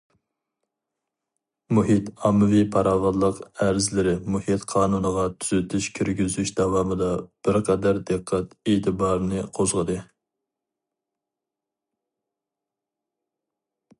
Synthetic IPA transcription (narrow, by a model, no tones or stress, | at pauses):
muhit̪ɑmːɨvipʰɑɾɑːvɑd̪lˠəqæɾzlɪɾɪmuhit̪qʰɑːnunəʁɑt̪ʰyzɪt̪ʰyʃkʲʰøɾɡʲyzyʃd̪ɑwɑːmɨd̪ɑb̥ɪɾqʰɛd̪æɾd̪ɨqʰːæt̪et̪ʰɨbɑːɾnɨqʰozʁəd̪ɨ